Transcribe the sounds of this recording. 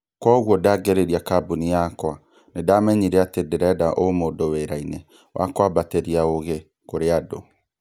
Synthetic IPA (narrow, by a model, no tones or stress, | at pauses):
kwɔɣwɔdaːɡeɾeɾiakabunijakwa | nedaːmɛɲiɾeatedeɾɛdaʔomoːdoweɾainɛ | wʔa̰kwabateɾiaoɣe | koɾeado